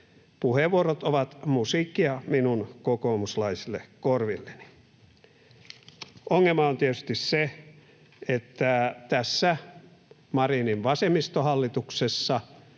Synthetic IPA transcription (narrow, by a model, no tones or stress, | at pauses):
puheʋuorot̪oʋɑt̪musiˑkːiɑminunkokoːmuslɑisilːekorʋilːeni̥ | oŋːelmɑont̪iet̪yst̪isse | et̪ːæt̪æsːæ | mɑriniʋʋɑsemist̪ohɑlːit̪uksesːɑ